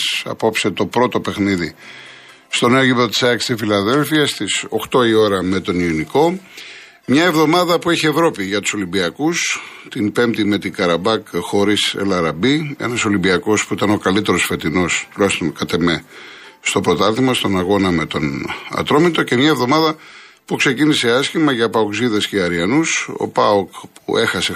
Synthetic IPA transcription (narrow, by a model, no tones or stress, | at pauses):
sɐ̰po̞pse̞t̪o̞pɾo̞t̪o̞pe̞xniði | st̪o̞neoʝipðot̪i̥sɐkst̪ifilɐðe̞lfiɐst̪iso̞̰xt̪o̞io̞ɾɐme̞t̪o̞nioniko̞ | mɲɐe̞vðomɐðɐpueçie̞vɾo̞piʝɐt̪u̥so̞limbiɐkust̪impe̞mt̪ime̞t̪iɡɐɾɐbɐkxo̞ɾisḛlɐɾɐbie̞̰nɐso̞limbiɐko̞spuit̪ɐno̞kɐlit̪e̞ɾo̞sfe̞t̪ino̞st̪ulɐçist̪o̞nkɐt̪e̞me | st̪o̞pɾo̞t̪ɐɾθimɐst̪o̞nɐɣo̞nɐme̞t̪o̞nɐ̰t̪ɾo̞mit̪o̞ce̞mɲɐevðo̞mɐðɐ | pukse̞cinise̞ɐscimɐʝɐpɐokziðesceɐɾiɐnuso̰pɐokpṵʔe̞xɐse̞